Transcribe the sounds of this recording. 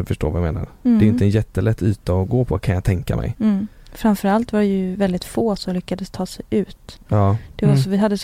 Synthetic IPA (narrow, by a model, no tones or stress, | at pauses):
fœʂʈo̰ːvajamḛːna̰ɾd̪ɛːɾjɪnt̪əjɛt̪ːəlɛt̪ʰːʉ̟ːt̪əɔɡoːpʰɔkʰanjat̪ʰɛŋka̰mʔɛ̰j | fɾamfœɾalt̪vaɖɛjɵvɛld̪ɪt̪foːsɔmlʏkːad̪əst̪ʰɑːsɛjʉ̟ːt̪ɑːd̪̥ɛvasɔvɪɦad̪ːəs